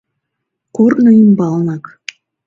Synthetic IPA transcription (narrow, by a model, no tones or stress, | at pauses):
kornoimbɑlˠnɑk